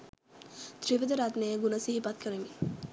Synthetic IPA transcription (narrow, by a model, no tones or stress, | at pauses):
t̪ɾiʋɐd̪ɐɾat̪nejəɡunɐsiɦipɐt̪̚kəɾemi